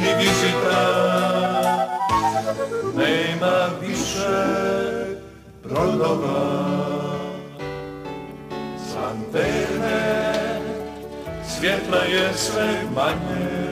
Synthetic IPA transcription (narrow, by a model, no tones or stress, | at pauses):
ivizit̪a | nɛjnavisɛ | bɾɔd̪ɔva | sant̪ɛjnɛ | sfʲjɛt̪lajɛsvɛjmaɲɛ